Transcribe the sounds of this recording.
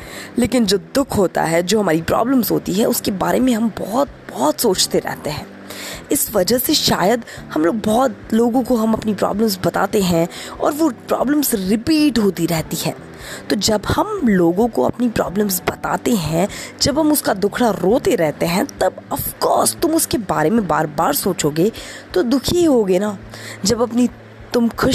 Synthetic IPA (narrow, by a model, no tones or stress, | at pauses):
leːkɪnd͡ʒoːd̪ʊkʰɦoːt̪a̰ɦɛd͡ʒoːɦɐmaːɾipɾɔ̰ːbləmzɦoːt̪iɦɛ̃ʊskebaːɾemẽɦɐmbɔːt̪̚bɔːt̪soːt͡ʃt̪eɾɛ̰ɦt̪eɦɛ̃ː | ɪsʋɐd͡ʒəɦseʃa̰ːjəd̪hɐmloːɡ̚bɔːt̪loːɡõkoɦɐmɐpnipɾɔ̰ːbləmzbɐt̪a̰ːt̪eɦɛ̃ɔ̰ːɾʋopɾɔ̰ːbləmzɾɪpiːʈɦoːt̪iɾɛɦt̪iɦɛ̰̃ː | t̪od͡ʒɐbhɐmloːɡõkoɐ̰pnipɾɔ̰ːbləmzbɐt̪a̰ːt̪eɦɛ̃d͡ʒɐbɦɐmʊskad̪ʊkʰɽaɾoːt̪eɾɛɦt̪eɦɛ̃t̪ɐbɐfkɔːɾst̪ʊmʊskebaːɾemẽbaːɾbaːɾsoːt͡ʃoːɡeːt̪od̪ʊkʰiɦoːɡenaːd͡ʒɐbɐpni | t̪ʊmkʰʊʃ